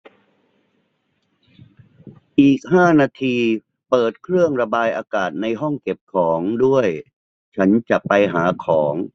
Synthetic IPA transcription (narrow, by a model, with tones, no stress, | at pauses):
ʔiː˨˩k̚ɦaː˥˩naː˧t̪ʰiː˧ | pɤː˨˩t̪̚kʰɾɯ˥˩əŋɾa˧baː˧jʔaː˧kaː˨˩t̪̚na˧jɦɔ˥˩ŋke˨˩p̚kʰɔː˩˦ŋdu˥˩əj | t͡ɕʰa˦˥nt͡ɕa˨˩ʔpa˧jɦaː˩˦kʰɔː˩˦ŋ